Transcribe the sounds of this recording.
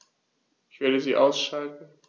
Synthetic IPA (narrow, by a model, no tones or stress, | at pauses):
ɪçv̥eɐɾəziːʔaʊsʃaltn̩